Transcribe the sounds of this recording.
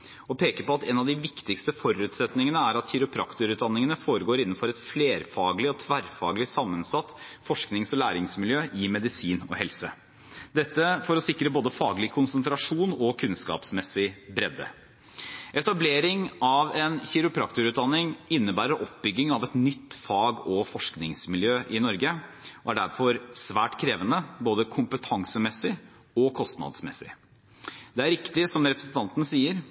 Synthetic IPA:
ɔpʰeːkəɾpɔɑt̪ɛnɑʋd̪ɪʋɪkt̪ɪkst̪əfɔɾʉːt̪sɛt̪nɪŋənəæɾɑt̪çɪɾʊpʰɾɑ̰kt̪ʊɾʉːt̪̚d̪ɑnːɪŋənəfoːɾəɡoːɾɪnːn̩fɔɾɛt̪fleːɾfɑːɡlɪɔt̪ʰʋæɾfɑ̰ːɡlɪsɑmːənsɑt̪ːfɔʂknɪŋsɔlæːɾɪŋsmɪljøːʔɪmɛd̪ɪsiːnɔ̰hɛlsə̰ | d̪ɛt̪ːəfɔɾɔsɪkːɾəboːd̪əfɑːɡlɪkʰʊnsənt̪ɾɑʂuːnɔkʰʉnskɑ̰ːpsmɛsɪbɾɛd̪ə̰ | ʔɛt̪ɑbleːɾɪŋʔɑʋɛnçɪɾʊpʰɾɑkt̪ʊɾʉːt̪̚d̪ɑnːɪŋɪnːəbæːɾəɾʔɔp̚bʏɡːɪŋɑʋɛt̪nʏt̪ːfɑːɡɔfɔʂknɪŋsmɪljøːʔɪnɔɾɡəɔæɖæɾfɔɾsʋæːʈkʰɾeːʋənəboːd̪əkʰʊmpət̪ʰɑŋsəmɛsːɪ | ɔkʰɔst̪nɑ̰d̪smɛ̰sɪ̰ | d̪ɛæɾɪkt̪ɪsɔmɾɛpɾəsn̩t̪ʰɑnt̪ənəsiːəɾ

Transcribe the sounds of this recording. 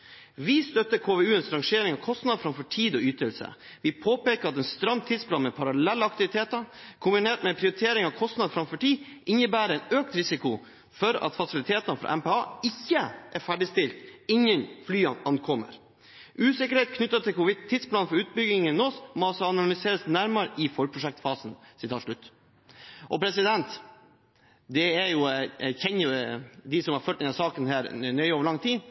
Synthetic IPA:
ʋɪst̪œt̪ːəɾkʰoːʋeːʉːɛnsɾɑŋʂeːɾɪŋɑʋkʰɔst̪nɑd̪fɾɑmfɔʈʰiːd̪ɔyːt̪əlsə̰ | ʋɪpʰoːpeːkəɾɑt̪ɛːnst̪ɾɑmt̪ʰːɪd̪spʰlɑːnmɛpʰɑɾɑlɛlːəɑkt̪ɪʋɪt̪ʰeːt̪əɾkʰʊmbɪneːʈmɛpʰɾɪʊɾɪt̪ʰeːɾɪŋɑʋkʰɔst̪nɑd̪fɾɑmfɔʈʰiːd̪ɪnəbæːɾəɛnøːk̚t̪ɾɪsɪkʊ | fɔɾɑ̰t̪fɑsɪlɪt̪ʰeːt̪ɑnəfɾɑ̰ʔɛ̰mpeɑːɪçːəʔæɾfæɖɪst̪ɪlt̪ɪŋənflyːɑnɑnkʰɔmːə̰ɾ | ʔʉːsɪkəɾheːt̪kʰnʏt̪ːət̪ʰɪlkʰʊʋɪd̪t̪ʰːɪd̪splɑːnfɔɾʉːt̪̚bʏɡɪŋənosmɔɑlsɔɑnɑlɪseːɾəsnæɾmɑɾɪfɔlpʰɾʊʂɛk̚t̪fɑːsnsɪt̪ʰɑːt̪ʂɭʉt̪ː | ʔɔ̰pʰɾɛsɪd̪ɛnt̪ | d̪ɛæɾjʊçɛnːʊd̪ɪsɔmhɑɾføːʈ̪ːɪnɑsɑːkənhæːɾnœʏoːʋəɭɑŋt̪ʰiː

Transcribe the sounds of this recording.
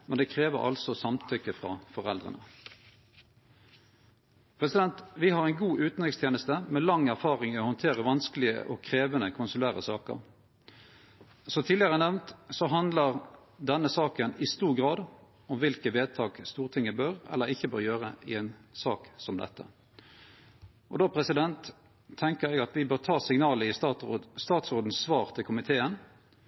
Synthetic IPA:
mɛnd̪ɛkʰʁeːʋə̰ʁɑ̰lsɔsɑmt̪ʰʏkːəfʁɑ̰ːfɔʁɛld̪ʁə̰nə̰ | pʰʁɛsɪd̪ɛnt̪ʋɪhɑʁɛɪnɡuːʔʉːt̪n̩ɪŋst̪ʰjeːnəst̪əmɛlɑŋæʁfɑːʁɪŋɛɔhɔnt̪ʰeːʁəʋɑnskəlɪə̰ʔɔ̰kʰʁeːʋənəkʰʊnsʊlæːʁə̰sɑːkə̰ʁ | sɔt̪ʰiːlɪəʁənɛʋnt̪sɔɦɑnd̪ləʁ | d̪ɛnːəsɑːkənɪst̪uːʁɡʁɑːd̪ | ɔmʋɪlkəʋeːd̪̚t̪ʰɑːkst̪uːʁt̪ʰɪŋːəbœʁɛ̰lːəʁɪçːəbøːɾjøːʁəɪɛnsɑːksɔmd̪ɛ̰t̪ːə̰ | ʔɔd̪oːpʰʁɛsɪd̪ɛnt̪ʰː | ɛŋkəɾɛɡɑt̪ʋɪbøːʁt̪ʰɑːsɪŋnɑːləɪst̪ɑːt̪sʁoːd̪n̩sʋɑːʁt̪ʰɪlkʰʊmɪt̪ʰeːən

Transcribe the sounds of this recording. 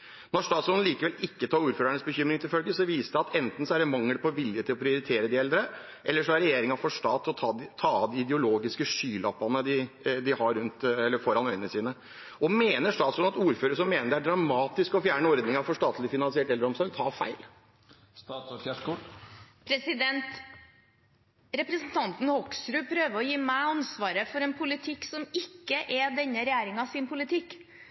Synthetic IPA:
nɔɾʂt̪ɑːt̪sɔlliːkəʋɛlɪkːət̪ʰɑːɾuːɾføːɾæɳəsbəçʏmɾɪŋt̪ʰɪlfœlɡəsɔʋiːsəd̪ɛɑt̪ɛnt̪n̩sɔæɾɛmɑŋːəlpʰɔʋɪljət̪ʰɪlɔpʰɾɪʊɾɪt̪ʰeːɾəd̪ɪɛld̪ɾə | ʔɛlːəʂɔæɾɛjeːɾɪŋɑfɔʂʈɑːt̪ʰːɔt̪ʰɑɪt̪ʰɑːd̪ɪɪd̪ɛʊloːɡɪskəʂyːlɑpːɑnəd̪ɪd̪ɪhɑɾʉnt̪ɛlːəfɔɾɑnœʏənəsiːnə | ɔmeːnəʂɑːsɔmɑt̪uːɾføːɾəəʂ̬ɔmːeːnəɖɛæɖɾɑmɑːt̪ɪskɔfjæːɳəɔɾd̪nɪŋɑfɔʂʈ̪ɑːt̪ʰlɪfɪnɑnsɪɛːʈɛlːəɾɔmsɔɾɡ̚t̪ʰɑfæ̰ɪl | pʰɾɛsɪd̪ɛnt̪ | ɾɛpɾəsən̩t̪ʰɑnt̪n̩hɔksɾʉːpʰɾøːʋəɾɔjiːmɛɑnsʋɑːɾəfɔɾɛnpʰʊlɪt̪ʰɪksɔmɪkːəʔɛd̪ɛnːəɾɛjæːɾɪŋɑsɪnpʊlɪt̪ʰɪkː

